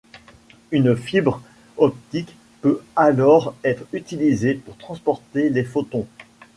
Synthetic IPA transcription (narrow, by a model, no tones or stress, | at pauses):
ynfibʁ | ɔp̚t̪ik | pøalɔʁɛt̪χyt̪ilizepuʁt̪χɑ̃spɔʁt̪elefot̪ɔ̃